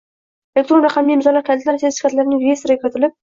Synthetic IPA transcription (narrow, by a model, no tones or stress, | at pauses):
elekt̪ɾo̞nɾɑqʰɑmːijmɪzɒlːaɾkʰʲalt̪ʰlaɾseʃɪ̥kat̪laɾɪnɪŋvʲe̞st̪oɾakʰʲyɾt̪ʰɪlɪp̚